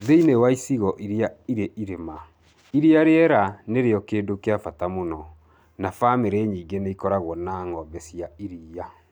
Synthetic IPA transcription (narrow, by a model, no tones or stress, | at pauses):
ðeinewaisiɣɔʔiɾeaiɾeʔiɾema | iɾiaɾeɛɾaneɾeɔkeːdokeafatamonɔ | nafameɾeɲiːŋɡeneikɔɾaɣwɔnaːŋɔbɛsiaiɾiːa